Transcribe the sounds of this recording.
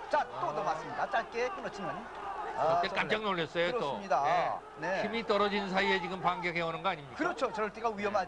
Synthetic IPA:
t͡ɕat͈odomas͈ɯmɲidat͡ɕ͈aɭ̚k͈ekɯnʌt͡ɕʰinmaɲi | ʌt̪͈ːek͈amd͡ʑaŋnoɭːʌs͈ʌjot͈omɲidae | neximit͈ʌɾʌd͡ʑinnsʰaiet͡ɕiɡɯmpaŋɡeɡewanɯnɡʌaɲimɲikakɯɾʌt͡ɕʰot͡ɕʌɾɭt͈eɡawɥiʌma

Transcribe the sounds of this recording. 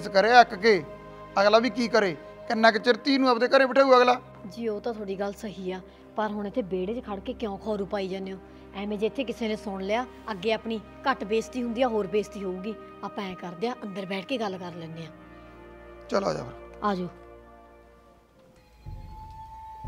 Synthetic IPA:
skəɾeːɛkkeː | əɡlaːbiːk̬iːkəɾeː | kɪnːɛ̃ːk̬ɪt͡ʃɪɾt̪iːnũːəpd̪eːkəɾẽːpəʈʰeːuəːɡlaː | d͡ʒiːoːt̪ãːt̪ʰoːɽiːɡəlsəɦiːaː | pəɾɦʊɳɪt̪ʰːeːbeːɽeːt͡ʃkʰəɽkeːkɪjõːkʰɔːɾuːpaːiːd͡ʒaːneːõː | ɛ̃ːmẽːd͡ʒet̪ʰːeːk̬ɪseːneːsʊɳleːaː | əɡːeːaːpɳiː | kəʈbeːst̪iːɦʊ̃nd̪ijaːɦoːɾbeːst̪iːɦoːuːɡiː | aːpãːɛ̃ːkəɾd̪ejaːʔənd̪əɾbɛːʈʰkeːɡəlːkəɾlɛːneːãː | t͡ʃəla̰ːd͡ʒa̰ːkɾaːd͡ʒoː

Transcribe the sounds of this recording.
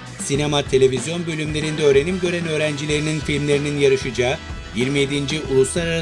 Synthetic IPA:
sine̞mat̪ʰe̞lʲe̞vizjo̞nbø̞lʲymlʲe̞ɾind̪ɛø̞ːɾe̞nimɟø̞ɾænø̞ːɾænd͡ʒilʲe̞ɾininfilʲmlʲe̞ɾininjaɾɯʃɯd͡ʒaː | jiɾmije̞d̪ind͡ʒiʔulˠuslˠaɾaɾa

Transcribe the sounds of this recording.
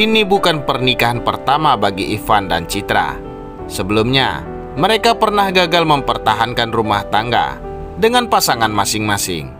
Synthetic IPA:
inibukanpərnikaɦanpərt̪amabaɡiʔifanda̰nt͡ʃit̪ɾa̰ | səbəlʊmɲa̰ | məɾekapərnahɡaɡalməmpərt̪aɦankanrumaht̪aŋɡa̰ | dəŋanpasaŋanmasɪŋmasɪ̰ŋ

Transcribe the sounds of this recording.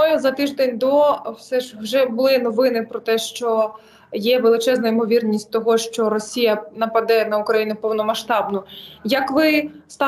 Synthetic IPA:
ɔjɛzɐt̪ɪʒd̪enʲd̪ɔwsɛʒwʒɛbʊlˠɪnɔʋɪnɪpɾɔt̪ɛʃt͡ʃɔ | jɛʋelˠɪt͡ʃɛznɐimɔʋʲirnʲisʲtʲt̪ɔɦɔʃt͡ʃɔɾɔsʲijɐnɐpɐd̪ɛnɐʊkɾɐjinʊpɔwnɔmɐʃt̪ɑbnʊjɐkʋɪst̪ɑ

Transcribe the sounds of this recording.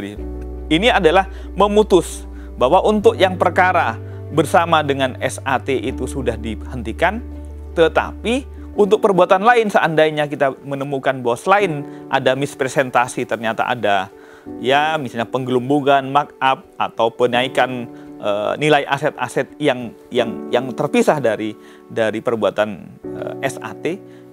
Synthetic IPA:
i | iniadalah | məmut̪ʊs | baɦwaʔunt̪ʊk̚jaŋpərkaɾa | bərsamadəŋanɛ̰sat̪eʔit̪usudahdihənt̪ikan | t̪ət̪a̰pi | unt̪ʊk̚pərbuat̪anlaɪnsəandaiɲakit̪amənəmukanbawasəlaɪnʔa̰damɪspɾesɛnt̪asit̪ərɲat̪a̰ʔa̰da | jamisalɲapəŋɡəlumbuɡanmak̚ap̚a̰t̪awpənaikanʔə̰nilaiʔa̰sɛt̪̚a̰sɛt̪̚jaŋ | jaŋjaŋt̪ərpisahdaɾi | daɾipərbuat̪anə̰ɛsa̰t̪e

